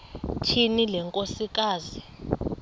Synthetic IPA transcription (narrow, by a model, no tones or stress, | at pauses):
t͡ʃʰinilɛŋkʼosik̬ʼaːzi